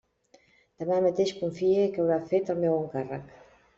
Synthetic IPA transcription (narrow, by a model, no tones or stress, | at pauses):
d̪̥əmamət̪eʃkuɱfiekawɾafet̪əlˠmɛwəŋkarək